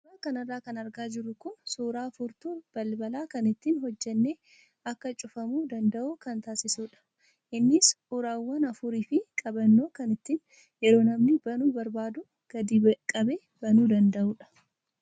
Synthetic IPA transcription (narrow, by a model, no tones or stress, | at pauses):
ɾaːkɐnɐrːaːkɐnɐɾɡaːd͡ʒɪɾʊkʊnsuːɾaːfʊɾt̪uːb̥ɐlbɐlaːkɐnɪt̪ːiːnɦɔd͡ʒːɛnːeː | ɐkːɐt͡ʃʼʊfɐmuːd̪ɐnd̪ɐʔuːkɐnt̪aːsɪsuːᶑɐ̥ | ʔɪnːɪs | ʊɾaːwːɐnɐfʊɾiːfɪkʼɐbɐnːo̞ːkɐnɪt̪ːiːn | jɛɾo̞ːnɐmnɪbɐnuːbɐɾbaːd̪ʊ | ɡ̥ɐd̪ikʼɐbeː | bɐnuːd̪ɐnd̪ɐʔuːᶑɐ̥